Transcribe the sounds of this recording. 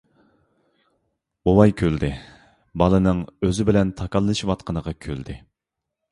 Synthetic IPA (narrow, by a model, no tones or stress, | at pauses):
bowɑjkʲʰøld̪ɪ | bɑlˠɨnɨŋøzɪbɪlɛnt̪ʰɑkɑlˠːɨʃiwɑt̪̚qʰənəʁɑkʲʰøld̪ɪ